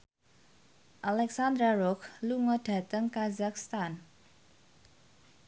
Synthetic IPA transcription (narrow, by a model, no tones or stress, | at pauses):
ʔalɛksand̪ɾaɾɔkluŋɔd̥ä̤t̪əŋkazakst̪an